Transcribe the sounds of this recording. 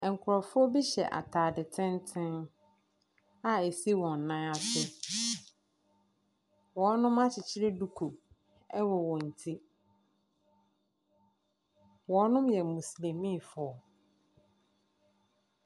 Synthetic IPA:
ɛ˨ŋ̩˨kʰʊ˨ɾɔ˨fʊ˦ɔ˦bi˦ɕɛ̰˨ʔa̰˨tʰaː˨dɪ˨tʰɪ̃˦ntʰɪ̃˦n | a˨e˨si˦wɔ̃˨nː˨ã˦a˨sʊ˦ | wɔ̃˨˦nʊ̃˦ma˦t͡ɕʰɪ˨t͡ɕʰɪ˦ɾe˦du˨kʰo˨ | ɛ˦wɔ˨wɔ̃˨n̩˨tʰi˦ | wɔ̃˨˦nʊ̃˦mjɛ˨mũ˨slĩ˨mĩ˦˨fʊ˨˦ɔ˨

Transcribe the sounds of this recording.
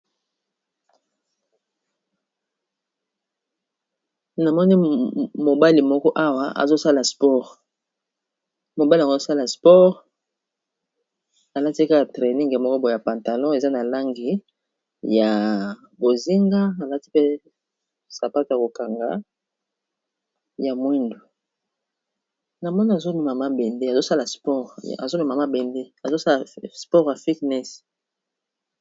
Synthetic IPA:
na˨mɔ˦ni˦mo˨ba˦li˨mɔ˦kɔ˦ʔa˦wa˨a̰˨zo˦sa˦la˨spɔ˦ʁ | mo˨ba˦li˨ŋɡo˦sa˦la˨spɔ˦ʁ | a˨la˦ti˦ka˦ka˨tʁe˨ni˦ŋɡa˨mɔ˦kɔ˦bo˨ja˨pã˨nta˨lɔ̃˦e˨za˦na˨la˦ŋɡi˨ | ja˨ | bo˨zi˦ŋɡa˦a˨la˦ti˦pe˦ | sa˨pa˦to˨ja˨ko˨ka˨ŋɡa̰˨˦ | ja˨mwɛ˦ndu˨ | na˨mɔ˦ni˦a˨zo˦nu˨ma˨ma˦bɛ˨nde˦a˨zo˦sa˦la˨spɔ˦ʁa̰˨zo˦nu˨ma˨ma˦bɛ˨nde˦a˨zo˦sa˦la˨spɔ˦ʁja˨fi˦tnɛ˦s

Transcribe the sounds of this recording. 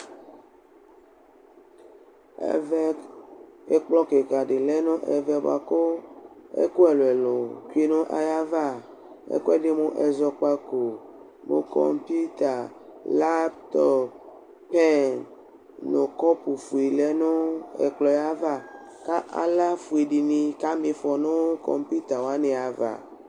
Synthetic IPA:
ḛ˦˨vɛ˦ | e˦k͡plɔ˦ke˨ka˨ɖe˨le˦nõ˦ʔɛ˨vɛ˦bo̰˨a̰˨ko˦ḛ˦ko˦ɛ˨lo˨ɛ˨lo˨ku˦e˦nõ˦ʔa̰˨ja˦va˦˨ | ḛ˦ko˦ɛ˦ɖe˦mõ˦ʔɛ˨zɔ˨k͡pa˦ko˨ | mõ̰˨kɔ̰˦˨mpi˦t̪a˨ | la˦pt̪ɔ˦p | pɛ˦n | no˨kɔ˦pu˨fu˨i˨lɛ˦nõ˦ḛ˨k͡plɔ˨ja˦va˦˨ka˦ʔa̰˨la˦fu˨i˨ɖi˨nĩ˨ka˦mĩ˨fɔ˨nõ˦kɔ̰˨mpi˦t̪a˨wo˨a˦ne˨a˨va̰˨

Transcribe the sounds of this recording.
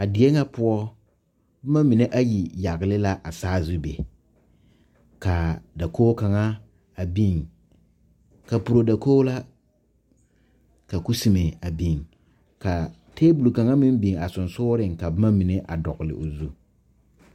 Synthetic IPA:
a˨dɪ˨e˦ŋa˦pʊ˦ɔ˦ | bɪ˦ma˦mi˨ne˦ʔa˦ji˨ja˨ɣɪ˨lɪ˦la˦ʔa˨saː˦zʊ˦bḛ˨ | ka˨da˨koː˦ka˨ŋa˦ | a˨bi˦ŋ | ka˨pu˨ɾo˨da˨koː˦la˦ | ka˨ku˦si˨me˨a˨bi˨ŋ | ka˨ | teː˦bu˨lka˨ŋa˦mɪ˦m˦bi˨ŋa˨sʊ˨nsʊː˦ɾɪ˨ŋka˨bɪ˦ma˦mi˨ne˦ʔa̰˨dɔ̰˨ɣɪ˨lɪ̰˨ʔo˨zu˦

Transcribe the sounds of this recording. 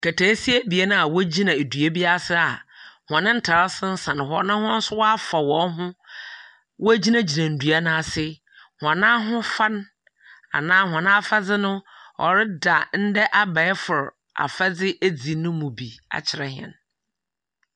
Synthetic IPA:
kʰa˨tʰæː˨˦si˦e˦bi˨e˦nʊ̃˦a˨wɔ˦d͡ʑi˦nã˨e˨dɥe˦bi˦a˦sɪ˦a˨hɔ̃˨nɪ̃˦n̩˦tʰa˨ɾa˦sɪ˦n̩˦sã˨ñ˨hɔ̰˨˦nã˦hʊ̃˦n̩˦sʊ˦wa˦fa˨wɔ̃˨˦ɦʊ̃˦ | wɔ˦æ˦d͡ʑi˦nã˦d͡ʑi˨nã˨n̩˨du˨a˦nã˦˨sɪ˦ | hã˨nã˦ɦʊ̃˦fa˦n | a̰˨nãː˦ɦɔ̃˨nã˦a˦fa˦d͡zɪ˦nʊ̃˦ɔ̰˨ɾɪ˦da˨n̩˦dɛ˦ʔa˦ba˨ɛ˦fʊ˨ɾ | a̰˨fɛ˦d͡zɪ˦ʔæ˦d͡zi˨˦nʊ̃˦mũ˨bi˨a̰˨t͡ɕʰɪ˨ɾɛ˨hɪ˨ɛ̰̃˨n

